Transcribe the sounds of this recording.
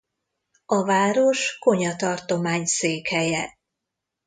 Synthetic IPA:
ɒvaːɾo̞ʃko̞ɲɒt̪ɒrt̪o̞maːɲseːkhɛjɛ

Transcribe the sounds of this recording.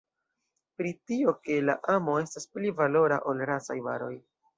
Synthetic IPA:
pɾitio̞ke̞la̰ʔamo̞e̞stasplivalo̞ɾa̰ʔo̞lɾasa̰jva̰ɾo̞̰j

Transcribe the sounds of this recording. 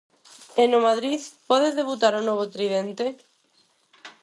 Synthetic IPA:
enomaðɾiθpɔðezðeβut̪̬aɾonoβ̞ot̪ɾiðent̪e

